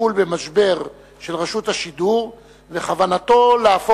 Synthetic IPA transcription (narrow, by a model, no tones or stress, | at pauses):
ulbemaʃbe̞ʁ | ʃe̞lʁaʃut̪haʃid̪uʁ | ve̞χavanat̪o̞leafo